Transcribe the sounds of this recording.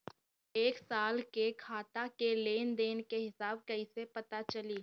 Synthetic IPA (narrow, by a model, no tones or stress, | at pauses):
eːksaːlkekʰaːt̪akeleːnd̪eːnkeɦɪsaːb̚kɐisepɐt̪at͡ʃɐliː